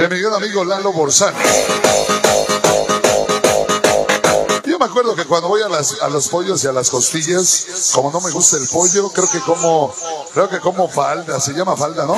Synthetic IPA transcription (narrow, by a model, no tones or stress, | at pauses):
emiɣɾanamiɣo̞lalo̞βoɾsano | ʝo̞meakwe̞ɾðo̞kekwand̪o̞βojalasa̰lo̞spo̞ʝosialasko̞st̪iʝasko̞mo̞no̞me̞ɣust̪aelpo̞ʝo̞kɾe̞okeko̞mokɾe̞oke̞ko̞mo̞fald̪aseʝamafald̪ano